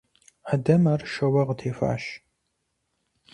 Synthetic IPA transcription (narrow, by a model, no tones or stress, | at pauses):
ħadɐmaːrʃɐwɐʁtʰeːfa̰ːʃ